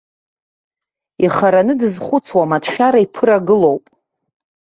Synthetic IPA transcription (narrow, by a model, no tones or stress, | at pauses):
iχaɾanɨdɨzχʷʊt͡sʰwamatʰʃᶣaɾaipʰɨɾaɡɨlo̞wpʼ